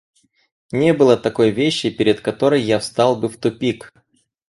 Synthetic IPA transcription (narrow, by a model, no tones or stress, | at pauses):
nʲebɨlˠət̪ɐko̞jvʲeɕːɪpʲɪɾʲɪt̪kɐt̪o̞ɾəjːafst̪ɑlˠbɨft̪ʊpʲik